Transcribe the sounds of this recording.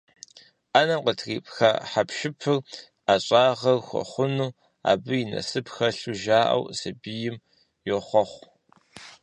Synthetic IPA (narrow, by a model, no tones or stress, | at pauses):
ʔanɐmqətʰriːpʼxaħapʃɪpʰɨr | aɕʼaːʁɐrxʷɔ̰χʷʊnuː | a̰ːbɨjɪnɐ̰sɨpxɐɬuʒaːʔɐ̰wsɐbijɪm | joχʷɔχʷ